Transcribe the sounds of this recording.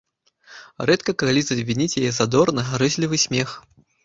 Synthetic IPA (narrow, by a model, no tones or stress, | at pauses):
rɛt̪kɐkalʲit̪sɐbʲvʲinʲit͡sʲjajɛzad̪ɔrnɐɦaɾɨsʲlʲivɨsʲmʲɛx